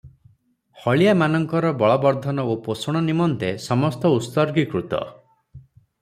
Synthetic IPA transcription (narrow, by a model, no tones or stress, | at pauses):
hɔɭijamanɔŋkɔɾɔbɔɭɔbɔɾd̪ʱɔnɔoposɔɽ̃ɔnimɔnt̪esɔmɔst̪ɔust̪ɔɾɡikɾut̪ɔ̰